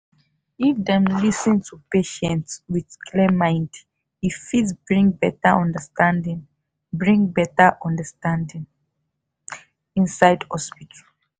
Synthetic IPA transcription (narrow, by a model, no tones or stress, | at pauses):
ifdɛ̃mlisə̃ntʰupeʃɛ̃ntswidkʰlɛmãɪ̃nd | hifidsbɹĩŋbɛtəɔ̃ndəstãndĩŋ | bɹĩŋbɛtəʔɔ̃ndəstãndĩŋ | ĩnsaɪdhɔspitʰə